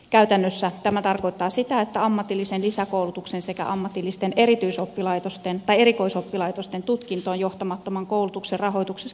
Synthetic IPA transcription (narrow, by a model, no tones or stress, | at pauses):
kæyt̪ænːøsːæt̪æmæt̪ɑrko̞it̪ːɑːsit̪æet̪ːæɑmːɑt̪ilːisenlisækoulut̪uksensekæ̰ʔɑmːɑt̪ilːist̪eneɾit̪yisopːilɑit̪ost̪ent̪ɑijeɾiko̞isopːilɑit̪ost̪ent̪ut̪kint̪oːnjoht̪ɑmɑt̪ːomɑŋkoulut̪ukserrɑɦo̞ijt̪ukses